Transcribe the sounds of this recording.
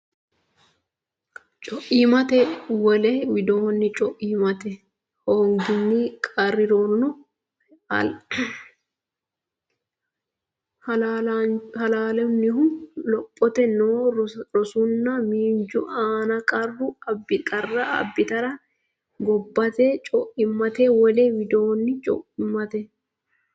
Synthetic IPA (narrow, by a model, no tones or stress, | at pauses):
t͡ʃʼɔʔiːmɐt̪ɛwɔlɛwɪd̪oːɔnːɪt͡ʃʼɔʔiːmɐt̪ɛ | hoːŋɡɪnːikʼɐrːɪɾonːɔ | ɐ̰l | hɐlaːlɛmnɪhʊnlɔpʼːɔt̪ɛnoːɾɔsʊnːɐmiːnd͡ʒʊʔaːnɐkʼɐrːʊɐbɪkʼɐrːɐɐ̰bːɪt̪ɐɾɐ | ɡɔbːɐt̪eːt͡ʃʼɔʔɪmːɐt̪eːwɔlewɪd̪oːnːɪt͡ʃʼɔ̰ʔɪmːɐt̪ɛ